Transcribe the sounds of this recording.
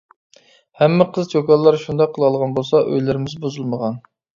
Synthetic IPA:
hɛmːɪqʰəzd͡ʒʰokɑlˠːɑɾʃund̪ɑqʰəlˠɑlˠʁɑnbolˠsɑʔø̰jlɪɾɪmɪzbozulˠməʁɑn

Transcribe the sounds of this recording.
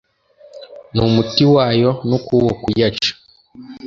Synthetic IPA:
numutiwaːjonukuwokujat͡ʃḁ

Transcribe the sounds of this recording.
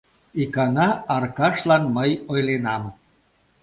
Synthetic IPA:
ikɑnɑɑrkɑʃlɑnməjojlenɑm

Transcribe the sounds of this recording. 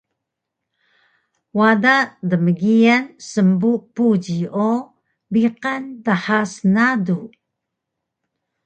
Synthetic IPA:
wadadəməɡiansəmbupud͡ʑio | biqantaħasnadu

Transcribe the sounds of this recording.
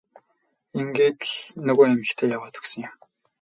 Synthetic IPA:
eŋɡeːt̪ɮnɵɣoːemɘ̆xt̪ʰeːjawaːt̪ɵ̥ksə̆ŋjʊm

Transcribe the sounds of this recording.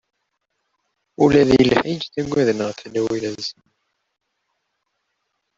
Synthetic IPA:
ulæðjəlħid͡ʒθæɡʷːæðənəʁθlæwilæz

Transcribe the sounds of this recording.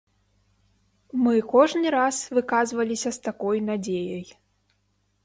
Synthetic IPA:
mɨkɔʐnɨɾasvɨkazvɐlʲisʲɐst̪akɔjnad͡zʲejɐj

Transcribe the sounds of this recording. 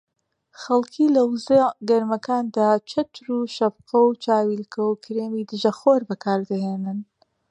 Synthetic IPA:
xɐlˠkʰiːlɐwzeɡɐɾmɐkaːnd̪aːt͡ʃʰɐt̪ʰɾuːʃɐbqɐwt͡ʃʰaːwiːlkʰɐwkʰɨɾeːmiːd̪ɨʒɐxoːɾbɐkʰaːɾd̪ɐɦeːnɨn

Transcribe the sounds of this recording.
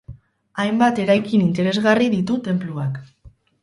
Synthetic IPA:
ajmbat̪e̞ɾajkinint̪e̞ɾe̞zɣariðit̪ut̪e̞mpluak

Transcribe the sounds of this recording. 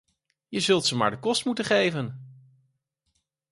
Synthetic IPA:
jəzɵlˠtsəma̰ːɹdəkɔstmutəχejvən

